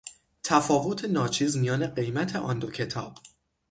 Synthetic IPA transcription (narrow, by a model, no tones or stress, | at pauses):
t̪ʰæfɒːvo̞t̪ʰe̞nɒːt͡ʃʰiːzmijɒːne̞ɢe̞jmæt̪ʰe̞ʔɒːnd̪o̞cʰe̞t̪ʰɒ̰ːb̥